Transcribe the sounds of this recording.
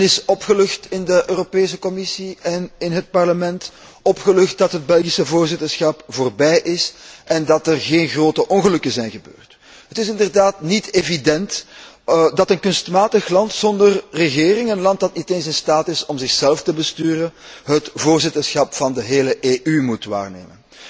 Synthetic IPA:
nɪsɔpxəlɵxtɪndəʔøːropeːs̬əkɔmɪsiɛnɪnɦət̚pɑrləmɛnt | ɔpxəlɵxt̚dɑtɦəd̚bɛlɣisəvoːrzɪtərsxɑpvoːrbɛjʔɪsʔɛndɑtərɣeːnɣroːtəʔɔnɣəlɵkəzɛjnɣəbø̰ːrt | ɦətɪsɪndərdaːtniteːvidɛnt | dɑtənkɵnstmaːtəxlɑntsɔndərrəɣeːrɪŋənlɑnt̚dɑtniteːnsɪnstaːtɪsɔmzɪxsɛlftəbəstyːrənɦətvoːrzɪtərsxɑpfɑndəɦeːləʔeːʔymutʋa̰ːrnḛːmən

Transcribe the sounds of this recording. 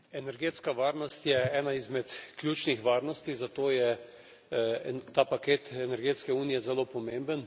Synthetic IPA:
ɛnɛɾɡeːt̪skaʋaːɾnɔst̪jɛɛːnaizmɛt̪kljuːt͡ʃnixʋaːɾnɔst̪izat̪oːjɛ | t̪ːaːpakeːt̪ɛnɛɾɡeːt̪skɛuːnijɛzɛloːpɔmeːmbən

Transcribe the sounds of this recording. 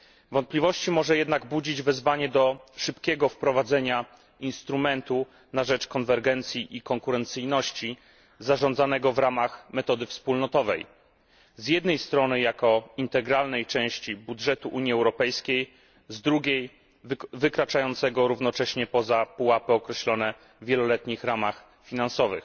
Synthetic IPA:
vɔnt̪plʲivɔɕt͡ɕimɔʐɛjɛd̪naɡbud͡ʑid͡ʑvɛzvaɲɛd̪ɔʂɘpkʲɛɡɔfpɾɔvad̪zɛɲa | inst̪ɾumɛnt̪u | naʐɛt͡ʂkɔnvɛɾɡɛnt̪sʲjiʔikɔŋkuɾɛnt̪sɘjnɔɕt͡ɕi | zaʐɔnd̪zanɛɡɔvɾamaxmɛt̪ɔd̪ɘfspulnɔt̪ɔvɛ̰j | zjɛd̪nɛjst̪ɾɔnɘjakɔint̪ɛɡɾalnɛjt͡ʂɛ̃w̃ɕt͡ɕibudʐɛt̪uʔuɲiɛwɾɔpɛjskʲej | zd̪ɾuɡʲej | vɘkɾat͡ʂajɔnt̪sɛɡɔɾuvnɔt͡ʂɛɕɲɛpɔzapuwapɘɔkɾɛɕlɔnɛ | vʲjɛlɔlɛt̪ɲixɾamax | fʲinansɔvɘ̰x

